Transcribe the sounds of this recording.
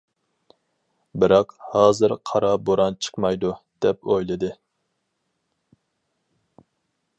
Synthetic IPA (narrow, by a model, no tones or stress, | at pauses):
bɪɾɑqhɑːzɨɾqʰɑɾɑboɾɑnt͡ʃʰə̥qmɑjd̪ud̪̥ɛpojlˠɨd̪ɨ